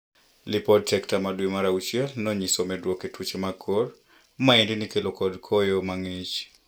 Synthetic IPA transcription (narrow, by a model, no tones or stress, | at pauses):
lɪpɔdsɛktamadwimaɾaut͡ʃjɛlnɔɲisomɛdwoketwut͡ʃemakʰor | maendɪnikelokɔdkʰɔjomaŋit͡ʃ